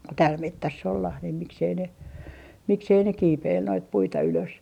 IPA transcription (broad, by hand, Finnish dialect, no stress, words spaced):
tæːl metːæsː olːɑh nim miksei ne miksei ne kiːpeil noit puitɑ yløs